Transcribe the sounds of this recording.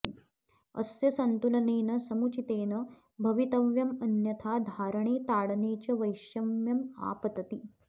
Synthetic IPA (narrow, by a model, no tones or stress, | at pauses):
ə̰sjɐsɐnt̪ulɐneːnɐsɐmut͡ɕit̪eːnɐ | bʱɐʋit̪ɐʋjɐmɐnjɐt̪ʰaːd̪ʱaːɾəɳ̃eːt̪aːɽneːt͡ɕɐʋɐjɕjɐmjɐma̰ːpɐt̪ɐt̪i